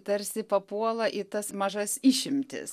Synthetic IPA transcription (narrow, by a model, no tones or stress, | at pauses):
t̪ɐɾʲsʲɪpɐpuɔlˠɐʔɪt̪ɐsmɐʒɐsiːʃʲɪmʲt̪ʲɪ̰s